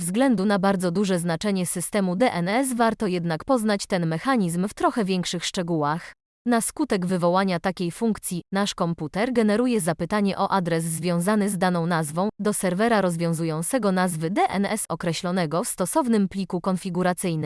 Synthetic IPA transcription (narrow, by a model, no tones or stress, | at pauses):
vzɡlɛnd̪unabaɾd̪zɔd̪uʐɛznat͡ʂɛɲɛsɘst̪ɛmud̪ɛʔɛnɛsvaɾt̪ɔjɛd̪nakpɔznat͡ɕt̪ɛnmɛxaɲizmft̪ɾɔxɛvʲjɛŋkʂɘxʂt͡ʂɛɡuwax | n̪askut̪ɛɡvɘvɔwaɲat̪akʲejfuŋkt̪sʲjinaʂkɔmput̪ɛɾɡɛnɛɾujɛzapɘt̪aɲɛʔɔʔad̪ɾɛsːvʲjɔ̃w̃zanɘzd̪anɔ̃w̃nazvɔ̃w̃d̪ɔsɛɾvɛɾaɾɔzvʲjɔ̃w̃zujɔ̃ñt̪sɛɡɔnazvɘd̪ɛʔɛnɛsɔkɾɛɕlɔnɛɡɔfst̪ɔsɔvnɘmplʲikukɔnfʲiɡuɾat̪sɘjnɘm